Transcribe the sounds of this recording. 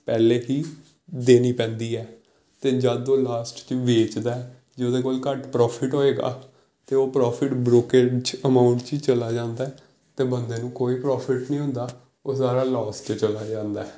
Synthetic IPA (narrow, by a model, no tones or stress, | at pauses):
pɛːleːɦiː | d̪eːniːpɛ̃ːnd̪iːɛː | t̪eːd͡ʒəd̪oːlaːsʈt͡ʃʋeːt͡ʃd̪aːɛː | d͡ʒeːd̪eːkoːlkəʈpɾɔːpʰɪʈɦoːeːɡa̰ː | t̪eːoːpɾɔːpʰɪʈbɾoːket͡ʃəmaːʊ̃ɳʈt͡ʃiːt͡ʃəlaːd͡ʒãːnd̪aːɛː | t̪eːbənd̪eːnũːkoːiːpɾɔːpʰɪʈnĩːɦʊ̃nd̪aː | oːsaːɾaːlɔːst͡ʃt͡ʃəlaːd͡ʒãːnd̪aːɛː